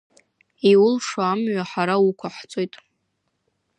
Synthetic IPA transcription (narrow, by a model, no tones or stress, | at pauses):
iwʊlʂaamɥaħaɾaukʷʰaħt͡sʼo̞jtʼ